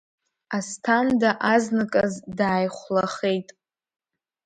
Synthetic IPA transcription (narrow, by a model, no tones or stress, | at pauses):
astʰandaʔaznɨkʼazdaːjχʷlaχe̞jtʼ